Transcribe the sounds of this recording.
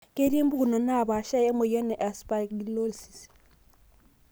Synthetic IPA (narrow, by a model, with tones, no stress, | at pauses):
ke˦ɾe˦mbu˦ɡu˨no˨na˦˨ba˨ʃa˦je˦mo˨jɔ˦nɛ˨ʔa˨spa˨ɡi˨lo˦lsi̥˨s